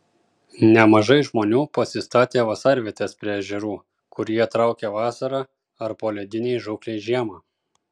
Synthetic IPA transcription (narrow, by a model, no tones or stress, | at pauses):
nʲɛmɐʒɐɪʒmoːnʲuːpɐsʲɪst̪ɑːt̪ʲeːʋɐsɑːɾʲʋʲiɛt̪ʲespʲɾʲɛːʒʲɛɾuː | kʊɾʲiɛt̪ɾɑˑʊkʲeʋɑːsɐɾɑː | ɐɾpoːlʲɛd̪ʲɪnʲɛɪʒʊklʲɛɪʒʲiɛmɑː